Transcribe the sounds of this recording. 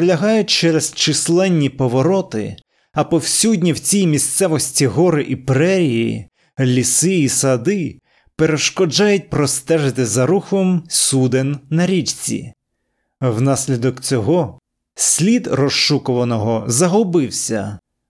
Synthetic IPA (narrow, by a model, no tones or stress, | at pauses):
pɾelʲɐɦɑjʊt̚ʲt͡ʃɛɾezt͡ʃɪslˠɛnʲːipɔʋɔɾɔt̪ɪ̰ | ɐpɔwsʲudʲnʲiwt͡sʲijmʲist̪sɛʋɔsʲtʲiɦɔɾɪʔipɾɛɾʲijjḭ | lʲisɪisɐd̪ɪ | peɾeʃkɔd͡ʒɑjʊt̚ʲpɾɔst̪ɛʒɪt̪ɪzɐɾuxɔmsud̪enːɐɾʲit͡ʃt͡sʲḭ | wnɑsʲlʲid̪ɔkt͡sʲɔɦɔ | sʲlʲid̪rɔʃʃukɔʋɐnɔɦɔzɐɦɔbɪwsʲɐ